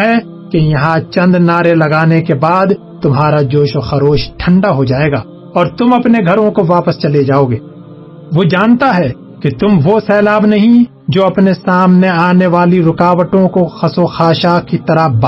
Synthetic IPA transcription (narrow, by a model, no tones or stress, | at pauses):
ɦɛ | kejɐɦãt͡ʃɐ̃nd̪naːɾelɐɡaːnekebaːd̪ | t̪ʊmɦaːɾad͡ʒoːʃoxɐɾoːʃʈʰɐ̃ɳɖaɦod͡ʒaːeːɡaː | ɔːɾt̪ʊmɐpneɡʱɐɾõkoʋaːpəst͡ʃɐled͡ʒaːoːɡeː | ʋod͡ʒaːnt̪aɦɛ | ket̪ʊmʋosɛːlaːbnɐɦĩ | d͡ʒoːɐpnesaːmneaːneʋaːliɾʊkaːʋəʈõkoxɐsoxaːʃakit̪ɐɾəb